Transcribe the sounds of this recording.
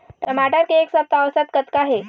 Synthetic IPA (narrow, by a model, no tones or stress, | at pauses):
t̪əmaʈaɾkeeksəp̚t̪aʋsat̪kət̪kaɦe